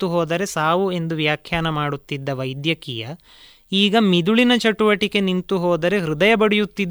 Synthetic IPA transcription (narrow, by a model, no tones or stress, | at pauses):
t̪uɦɔːd̪ɐɾe̞saːʋue̞nd̪uʋjaːkʰjaːnɐmaːɽut̪ːid̪ːɐʋɐjd̪jɐkijɐ | iːɡɐmid̪uɭinɐt͡ʃɐʈuʋɐʈike̞nint̪uɦɔːd̪ɐɾe̞ɦɾud̪ɐjɐbɐɽijut̪ːid̪ː